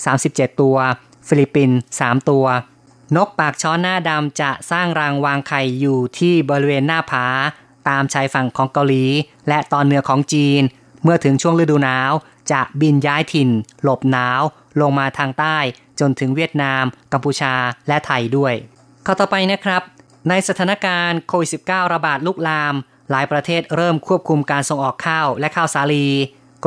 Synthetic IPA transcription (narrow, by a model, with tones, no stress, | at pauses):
saː˩˦msi˨˩p̚t͡ɕe˨˩t̪ːu˧ɐ | fi˧li˧˩pːi˧nsaː˩˦mt̪u˧ɐ | no˦˥k̚paː˨˩k̚t͡ɕʰɔː˦˥nːaː˥˩da˧mt͡ɕa˨˩ʔsaː˥˩ŋɾa˧ŋwaː˧ŋkʰa˨˩jːuː˨˩t̪ʰiː˥˩bɔː˧ɾi˧weː˧nːaː˥˩pʰaː˩˦ | t̪aː˧mt͡ɕʰaː˧jfa˨˩ŋkʰɔː˩˦ŋka˧wliː˩˦ | lɛ˦˥t̪ɔː˧nːɯ˩˥ɐkʰɔː˩˦ŋt͡ɕiː˧n | mɯ˥˩ɐt̪ʰɯ˩˦ŋt͡ɕʰu˥˩əŋɾɯ˧˥˩duː˧naː˦˥w | t͡ɕa˨˩ʔbi˧njaː˦˥jt̪ʰi˨˩n | lo˨˩p̚naː˦˥w | lo˧ŋmaː˧t̪ʰaː˧ŋt̪aː˥˩j | t͡ɕo˧nt̪ʰɯ˩˦ŋwi˥˩ət̪̚naː˧mka˧mpuː˧t͡ɕʰaː˧lɛ˦˥t̪ʰa˧jdu˥˩əj | kʰaː˧˥˩t̪ɔː˨˩pa˧jna˦˥kʰɾa˦˥p̚ | na˧jsa˧t̪ʰaː˩˦na˦˥kaː˧nkʰoː˧wi˨˩t̪̚si˨˩p̚kaː˥˩wɾa˧baː˨˩t̪̚luː˥˩k̚laː˧m | laː˩˦jpɾa˧t̪ʰeː˥˩t̪̚ɾɤː˥˩mkʰu˥˩əp̚kʰu˧mkaː˧nso˧ŋʔɔː˨˩kʰːaː˥˩wlɛ˦˥ʔkʰaː˥˩wsaː˨˩˦liː˧